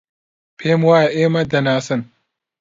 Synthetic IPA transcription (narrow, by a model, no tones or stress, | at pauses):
pʰeːmwaːjɐʔeːmɐd̪ɐnaːsɨn